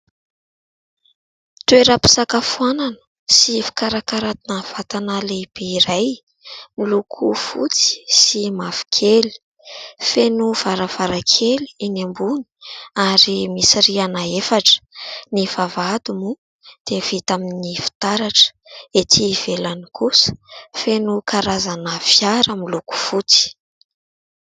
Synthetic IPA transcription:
t̪ueɾapi̥sakafuananə̥ | sifi̥kaɾakaɾat̪inav̥at̪analeib̥eiɾaj | milukʰufṵt͡si̥simav̥i̥kʰeli̥ | fenuv̥aɾav̥aɾakʰeliinambuni̥aɾimisirianaefaʈ͡ʂə̥nivavad̪umu | d̪̥ev̥it̪aminifi̥t̪aɾaʈ͡ʂə̥et̪ʰiːv̥elanikʰusə̥fenukʰaɾazanəfjaɾəmiluku̥fut͡si̥

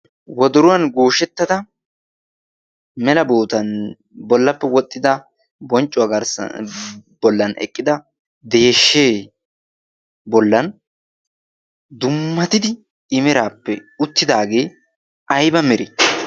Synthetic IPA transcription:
wɔd̪ʊɾʊwɐnɡoːʃɛt̪ːɐd̪ɐ | mɛlɐboːt̪ɐn | bɔlːɐpːɛwɔt̪ʼːɪd̪ɐ | bɔnt͡ʃʼːʊwaɡɐɾs | bɔlːɐnɛ̰kʼːɪd̪ɐ | d̪eːʃːeː | bɔlːɐn | d̪ʊmːɐt̪ɪd̪ɪ | ɪmɛɾaːpːɛʊt̪ːɪd̪aːɡe̞ː | ʔɐjbɐmɛɾi

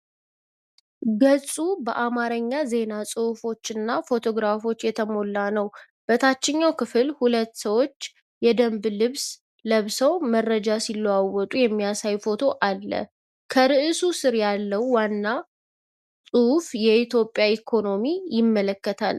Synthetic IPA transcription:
ɡəsʼubəʔamaɾəɲːaze̞nasʼɨufo̞t͡ʃːɨnːafo̞t̪ʰo̞ɡɾafo̞t͡ʃːjɛt̪ʰəmo̞lːanəw | b̥ət̪ʰat͡ʃːɪɲːawkɨfɨlhulət̪ːsəwo̞t͡ʃː | jɛd̪əmblɨβs | ləβsəwmərːəd͡ʒasilːəwawːɔt̪ʼujɛmːijasajfo̞t̪ʰo̞ʔalːə̰ | kʰəɾɨʔɨsusɨɾjalːəwːanːa | sʼufjɛit̪ʰjo̞pʼːjaikʰo̞no̞mijɪmːələkːət̪ʰa̰l

